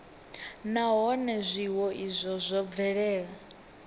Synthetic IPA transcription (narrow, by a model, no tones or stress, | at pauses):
naɦɔnɛzʷiwɔʔizʷɔzʷɔb̪vɛɺɛːɺa